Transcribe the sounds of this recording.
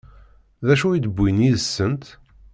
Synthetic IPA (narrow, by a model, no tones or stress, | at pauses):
ðæʃuid̪əbːiniðəsːənt̪